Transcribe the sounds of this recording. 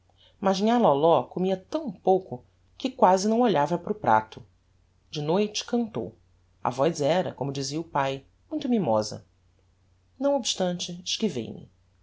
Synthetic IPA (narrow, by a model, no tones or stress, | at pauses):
mazĩalɔlɔkomiɐt̪ɐ̃w̃powkʊ | kɪkwazɪnɐ̃w̃oʎavɐpɾʊpɾa̰t̪ʊ | d͡ʒɪnojt͡ʃɪ̥kɐ̃nt̪o̰w | ɐ̰vɔjzɛɾɐ̰kõmʊd͡ʒiziɐʊpaj | mũj̃t̪ʊmimɔzɐ̰ | nɐ̃w̃obiʃt̪ɐ̃nt͡ʃɪɪʃkivḛjmɪ̰